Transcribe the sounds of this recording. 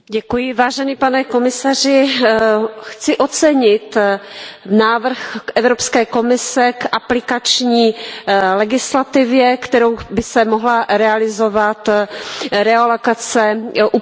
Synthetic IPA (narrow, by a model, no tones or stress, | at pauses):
ɟɛkujɪvaːʒɛniːpanɛko̞mɪsarɪ | xt͡sɪʔot͡sɛɲɪt̪ | naːvr̩xʔɛvɾopskɛːko̞mɪsɛkʔaplɪkat͡ʃɲiːlɛɡɪslat̪ɪvjɛkt̪ɛɾowbɪsɛmoɦlaɾɛalɪzo̞vat̪ | ɾɛalokat͡sɛʔu